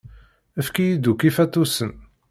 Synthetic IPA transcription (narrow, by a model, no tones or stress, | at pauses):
əfkijid̪ukifæt̪ːusən